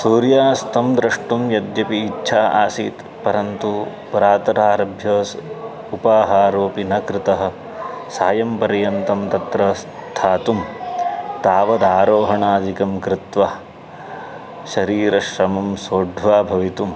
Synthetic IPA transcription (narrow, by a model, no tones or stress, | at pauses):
suːɾjaːst̪ʰɐmd̪ɾɐʂʈumjɐd̪jɐpiːtːʃʰaːʔa̰ːsḭːt̪ | pɐɾɐnt̪u | pɐɾaːt̪ɐɾaːɾɐbʱjɐːs | upaːɦaːɾoːpinɐkɾɪt̪ɐɦɐ̆ | saːjɐmpɐɾjɐnt̪ɐmt̪ɐt̪ɾɐst̪ʰaːt̪um | t̪aːʋɐd̪aːɾoːɦɐɳaːd͡ʒikɐmkɾɪt̪ʋa | ʃɐɾiːɾɐʃɾɐmɐmsoːɖʱʋaːbʱɐʋit̪um